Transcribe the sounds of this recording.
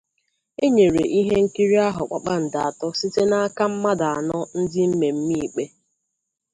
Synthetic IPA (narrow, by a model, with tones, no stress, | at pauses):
e˦ɲe˨ɾe˨ʔi˦ɦe˦ŋ̩˦ki˦ɾi˦a˦ɦʊ˨k͡pa̰˨k͡pa˦n̩˨da˨a˨tɔ˦si˦te˦na˦a˦ka˦m̩˦ma˦da˨a˨nɔ˦n̩˦dɪ˦m̩˦me˨m̩˦mi˦˨k͡pe˦